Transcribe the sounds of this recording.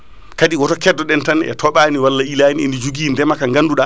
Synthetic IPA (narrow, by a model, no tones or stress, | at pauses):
kaɗiwɔtɔkɛdːɔɗɛntanɛ̰tʰɔɓaːniwalːaʔilaniḛndid͡ʒuɡindɛmakaŋɡanduɗa